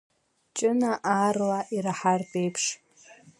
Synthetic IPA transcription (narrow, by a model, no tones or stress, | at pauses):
t͡ʃʼɪnaʔaːrlaʔiɾaħartʼejpʰʂ